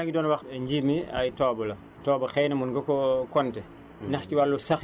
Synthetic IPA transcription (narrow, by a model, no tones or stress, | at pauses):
ɡidɔːnwɐxɲɟimia̰jtɔːbɐlɐ | tɔːbɐxɛjnɐmunɡɐkɔkɔntɛ | nɐxciwalːusax